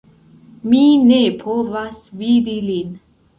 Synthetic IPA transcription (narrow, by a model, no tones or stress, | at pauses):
mine̞pʰovasvidilin